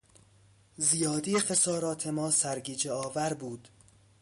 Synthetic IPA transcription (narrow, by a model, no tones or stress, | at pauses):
zijɒːd̪iːxesɒːɾɒːt̪ʰe̞mɒːsæɾɟiːd͡ʒeɒːvæɾbuːd̪̥